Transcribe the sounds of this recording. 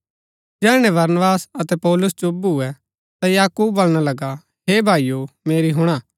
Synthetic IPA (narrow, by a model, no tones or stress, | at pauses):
d͡ʒɛːɽ̃ɛ̃ʋɐɾnəbaːsɐt̪ɛpɔːlʊsd͡ʒobɦʊɛ | t̪ajaːkuːbːɐlɽ̃alɐɡa | ɦeːbʱaːijomeːɾiɦʊɽ̃aː